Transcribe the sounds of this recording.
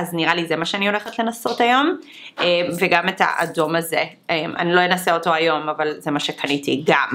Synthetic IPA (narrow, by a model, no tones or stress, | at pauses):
azniʁalizemaʃeanio̞leχetle̞naso̞tajo̞m | emveɡameta̰ʔa̰do̞maze | ʔemʔa̰nilo̞jenaseo̞to̞ajo̞mavalzemaʃekanitiɡam